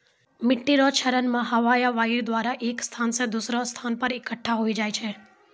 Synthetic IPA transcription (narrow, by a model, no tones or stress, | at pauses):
mɪʈːiɾot͡ʃʰəɾənmãɦəʋajaʋaiɾd̪ʋaɾaʔekst̪ʰansed̪usɾost̪ʰanpəɾɪkəʈʰːaɦoid͡ʒajt͡ʃʰe